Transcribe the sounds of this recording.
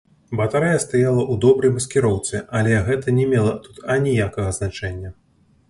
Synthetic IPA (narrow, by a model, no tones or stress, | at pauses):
bɐt̪aɾɛjɐst̪ajalˠɐʔud̪ɔbɾɐjmɐskʲiɾɔwt̪sɨalʲɛɣɛt̪ɐnʲɛmʲɛlˠɐt̪ut̪ɐnʲijakɐɣɐznat͡ʂɛnʲːɐ